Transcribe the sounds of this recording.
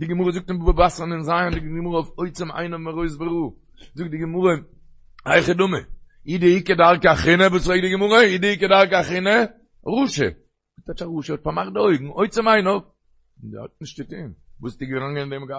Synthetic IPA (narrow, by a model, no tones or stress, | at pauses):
dɪɡəmuɾəzʊk̚tɪmbupəbasnɪnzaːndɪɡɡmuɾəɔfoɪt͡sɪma̰ɪnɔmaʁoɪs̬bɪɾuː | zʊk̚t̚dɪɡɪmuɾə | aɪχədʊmə | idɪɪkədaɾˠkaχɪnəvuːsʁeɪk̚dɪɡɪmuʁəiːdɪɪkədaɾkaχɪnə | ʁuːʃə̰ | vutat͡ʃaʁuːʃəhɔtfamaχdoʏɡŋ̩oɪt͡sɪmaɪnɔf | dɪhɔ̰t̚nɪʃt̚dɪtiːmvuːsdɪɡɾaŋɡənɪndɛmɡa